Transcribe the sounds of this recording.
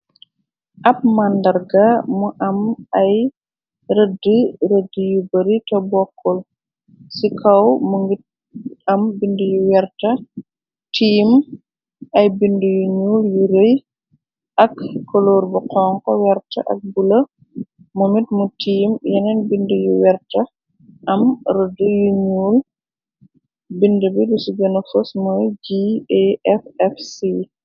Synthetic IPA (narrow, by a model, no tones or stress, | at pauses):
ʔɐp̚mandɐɾɡamuʔɐmɐj | ɾədəɾədijubɐɾitɔbɔkʰːɔl | sikʰɐwmuŋɡit̚ | ɐmbindujuwɛɾtɐ | tʰiːm | ʔɐjbindujuɲuːljuɾej | ʔɐkːɔloːrbuqɔːŋkɔwɛɾtɐ̰ʔɐ̰k̚bulɐ | mumitmutiːmjɛnɛnbindəjuwɛrtɐ | ʔɐmɾədujuɲuːl | bindəbidisuɡɛnɐfɔsmɔjd͡ʒiɛʔɛfɛfsi